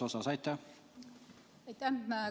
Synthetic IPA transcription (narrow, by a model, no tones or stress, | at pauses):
osɑsɑjt̪ːæh | ɑjt̪æa